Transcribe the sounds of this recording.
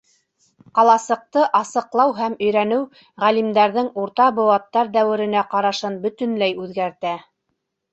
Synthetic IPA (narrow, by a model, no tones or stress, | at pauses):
qɑlˠɑsɤ̆q̚t̪ɤʔɑsɤ̆qlˠɑwɦæmɵ̆jɾænɘw | ʁælimd̪æɾðɘŋuɾt̪ɑbŏwɑt̪ːɑɾd̪æwɘ̆ɾɘ̆næqɑɾɑʃɤnbɵ̆t̪ɵ̆nlæjʉðɡæɾt̪æ